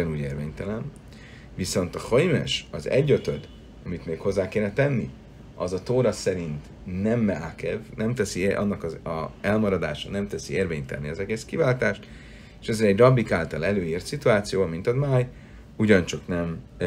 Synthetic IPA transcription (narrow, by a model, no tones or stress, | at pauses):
ɛnuːɟeːrveːɲt̪ɛlɛn | viso̞nt̪ɒhojmɛ̰ʃɒzɛ̰ɟːøt̪ød̪ | ɒmit̪meːkho̞zːaːkeːnɛt̪ɛnːḭ | ɒzɒt̪oːɾɒsɛɾint̪ | nɛmːɛaːkɛvnɛmt̪ɛsiʔɒ̰nːɒkɒzɛlmɒɾɒd̪aːʃɒnɛmt̪ɛsieːrveːɲt̪ɛ̰lniɒzɛɡeːskivaːlt̪aːʃt̪ | eːʃɛzɛɛɟrɒbːikaːlt̪ɒlɛløːiːrt̪sit̪uaːt̪sijoːɒmint̪ɒd̪maːj | uɟɒnt͡ʃɒknɛm